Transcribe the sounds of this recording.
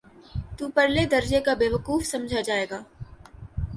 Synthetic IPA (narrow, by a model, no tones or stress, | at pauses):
t̪uːpɐɾled̪ɐɾd͡ʒekabeːʋəkuːfsɐ̃md͡ʒʱad͡ʒaːeːɡaː